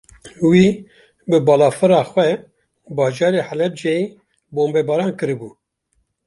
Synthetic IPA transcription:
wiː | bɨbɑːlɑːfɨɾɑːxʷwɛ | bɑːd͡ʒɑːɾeħælɛb̚d͡ʒeji | boːmbɛːbɑːɾɑːnkɨɾɨbuː

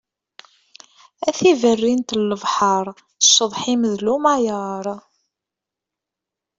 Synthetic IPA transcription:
æθivərːint̪lːəvħɑɾˤ | ʃːəðˤħiməðlumajəɾˤ

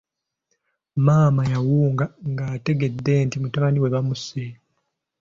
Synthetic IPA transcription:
maːmajawuːŋɡaŋɡaːte̞ɡe̞d̪ːe̞ntimutaβaniwe̞βamuse

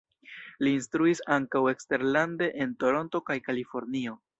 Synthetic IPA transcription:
liːnstɾuisaŋkawe̞kste̞ɾlande̞ʔento̞ɾo̞nto̞kajkalifo̞ɾnio̞

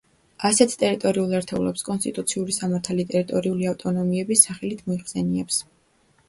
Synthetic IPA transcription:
asɛt̪ʰt̪ʼɛɾit̪ʼɔɾiulˠɛɾt̪ʰɛulɛ̰pskʼɔnst̪ʼit̪ʼut̪sʰiuɾisamaɾt̪ʰalit̪ʼɛɾit̪ʼɔɾiuliaft̪ʼɔnɔmiɛbisaχɛlit̪ʰmɔiχsɛniɛps

